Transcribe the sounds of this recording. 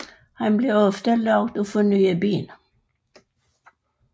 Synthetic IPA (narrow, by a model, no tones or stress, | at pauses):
hɑnbleːɔft̪əlɑɡd̪oːfɔnyːəbyːn